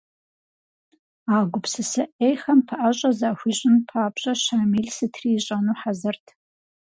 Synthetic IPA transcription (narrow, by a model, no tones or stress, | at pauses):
aːɡʷʊpsɨsɐʔejxɐmpʰɐʔɐɕʼɐzaxʷiɕʼɪnpʰaːbɕʼɐɕaːmiɮsɨtʰriːɕʼɐnuːħazɨrtʰ